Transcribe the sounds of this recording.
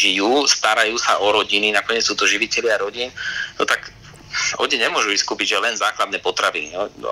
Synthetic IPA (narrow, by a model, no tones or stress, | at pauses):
ʒijuːst̪aɾajuːsaʔɔɾɔɟininakɔɲɪɛt͡ssuːt̪ɔʒiʋicɛlɪaɾɔɟiːnnɔt̪ak | ʔɔ̰ɲɛɲɛmʊɔʒuʋiskuːpiɟʒɛlɛnzaːklad̪nɛːpɔt̪ɾaʋinḭɔ